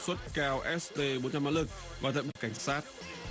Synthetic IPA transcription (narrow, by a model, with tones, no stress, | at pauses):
swə˦˥t̚kaː˧wʔɛ˦˥st̪e˧ɓo˨˦nt͡ɕa˧maː˨˦˥lɨ˨˩k̚vaː˨˩t̪ʰa̰˧˨jɓka˧˩jŋ̟saː˦˥t̚